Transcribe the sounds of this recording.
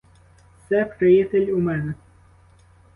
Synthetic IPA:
t̪sɛpɾejit̪elʲumɛnɛ

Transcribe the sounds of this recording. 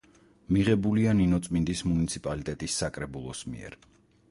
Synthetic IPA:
miʁɛbulianinɔt̪sʼmind̪ismunit̪sʰipʼalit̪ʼɛt̪ʼisːakʼɾɛbulˠɔsmḭɛ̰ɾ

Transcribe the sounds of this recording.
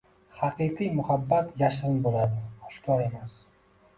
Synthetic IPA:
haqɨqʰijmʊhabːat̪ʰjaʃɾɪnbolad̪ɪχʊ̥ʃkʰɒɾe̞mas

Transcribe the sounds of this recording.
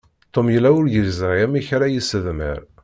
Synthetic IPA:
t̪ˤomjəlːæʊɾjəlzəʁjæmiçɾajisəðmə̰ɾ

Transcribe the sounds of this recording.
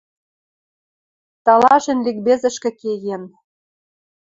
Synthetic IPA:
t̪ɑlɑʃĕnlik̚bezɘ̆ʃkĕkeɣen

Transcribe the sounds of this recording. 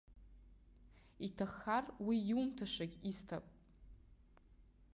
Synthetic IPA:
itʰaχːarwiumtʰaʂakʲʼistʰapʼ

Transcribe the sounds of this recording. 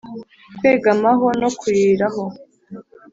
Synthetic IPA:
kwe̞ːɡamaɦo̞nokuɾiːɾaɦo

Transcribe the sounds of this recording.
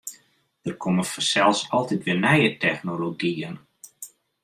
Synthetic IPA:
d̥ərkʰoməfɔsɛlˠsɔlˠtitʋɪːnɛjətʰɛxnoloɡiən

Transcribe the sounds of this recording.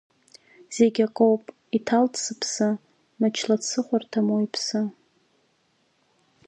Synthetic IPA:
z̥eɡʲaqʼowpʼ | itʰaltʰʼsɨpʰsa | mat͡ʃʰlat͡sʰɨχʷartʰamojpʰsɨ

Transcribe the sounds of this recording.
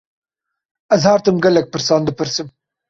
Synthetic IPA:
ɐzhɑːɾt̪əmɡalɐk̚pəɾsɑːnd̪əpəɾsəm

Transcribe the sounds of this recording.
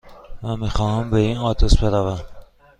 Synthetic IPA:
mæmixɒːhæmbeinɒːt̪ʰosbeɾævæn

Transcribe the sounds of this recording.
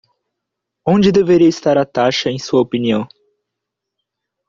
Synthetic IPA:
õd͡ʒɪd̪eveɾiɐist̪aɾɐt̪aʃɐẽj̃suɐopiniɐ̃w̃

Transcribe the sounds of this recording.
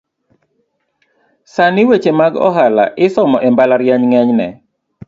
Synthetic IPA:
sanɪwet͡ʃemaɡɔ̰ɦala̰ʔɪsɔmɔʔɛmbalaɾjaɲŋɛɲnɛ

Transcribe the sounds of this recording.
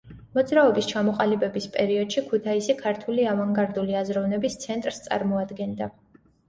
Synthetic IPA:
mɔd̪zɾaɔbist͡ʃʰamɔqʼalibɛbispʼɛɾiɔd̪̥ʃikʰut̪ʰaisikʰaɾt̪ʰuliavaŋɡaɾd̪uliazɾɔvnɛbist̪sʰɛnt̪ʼɾst̪sʼa̰ɾmɔad̪ɡɛnd̪a

